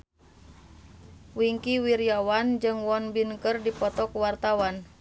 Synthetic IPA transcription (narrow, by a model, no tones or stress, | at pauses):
wiŋkiwiɾiawand͡ʒɨŋwɔnbinkərdipɔt̪ɔkuwart̪awan